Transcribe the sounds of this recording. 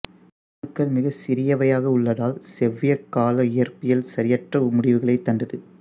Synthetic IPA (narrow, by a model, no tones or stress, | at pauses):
nɯkːɐɭmɪɣɐsɪɾɪjɐʋɐjaːɣɐʊɭːɐðaːlsɛʋːɪjɐkːaːlɐɪjɐrpɪjɐlsɐɾɪjɐʈrɐmʊɽɪʋɯɣɐɭɐɪt̪ːɐnd̪ɐðɯ